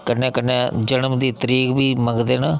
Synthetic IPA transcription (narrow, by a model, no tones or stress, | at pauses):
kənːẽːkənːẽːd͡ʒənəmd̪iːt̪əɾiːkbiːməɡd̪eːnaː